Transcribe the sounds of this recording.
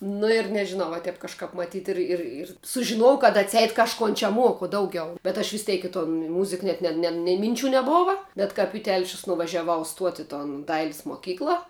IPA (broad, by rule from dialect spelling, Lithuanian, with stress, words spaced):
nʊ ɪr nʲɛʒʲɪˈnɐʊ ʋɐ ˈtʲɛp kɐʃˈkɐp mɐˈtʲiːt ˈɪr ɪr ɪr sʊʒʲɪˈnoːjɛʊ kɐt ɐtʲˈsʲɛɪt kɐʃˈkoːn t͡ʃʲɛ ˈmuɔkʊ ˈdɐʊˌɡʲɛʊ bʲɛt ɐʃ ʋʲɪsʲˈtʲɛɪk ɪ toːn ˈmʊzʲɪk ˈnʲɛt nʲɛ nʲɛɪ mʲɪnʲˈt͡ʃʲuː nʲɛˈboːʋɐ bʲɛt ˈkɐp ɪ ˈtʲɛlʲʃʲʊs nʊʋɐʒʲɛˈʋɐʊ ˈstuɔtʲɪ ɪ toːn ˈdɐɪlʲɪs moːˈkʲiːklˠɐ